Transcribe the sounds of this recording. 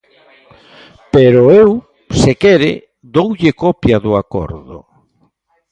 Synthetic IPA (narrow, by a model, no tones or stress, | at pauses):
peɾʊew | sekɛɾɪ̰ | d̪owʎɪkɔpjaðʊakɔ̰ɾðʊ̰